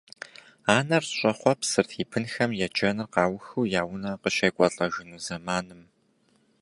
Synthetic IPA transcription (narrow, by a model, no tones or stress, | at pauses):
aːnɐrɕʼɐχʷɔpsɨrtʰiːpʰɨnxɐmjɛd͡ʒʼɐnɨrqɑːwxuːjaːwʊnaːqəɕeːkʷʼɔɬʼɐʒɪnuːzɐmaːnɨm